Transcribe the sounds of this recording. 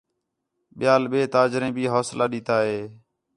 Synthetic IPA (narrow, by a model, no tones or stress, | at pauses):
ɓɪjaːlɓeːt̪aːd͡ʒɾẽːbʱiːɦoːslʔaːɗiːt̪aːɦeː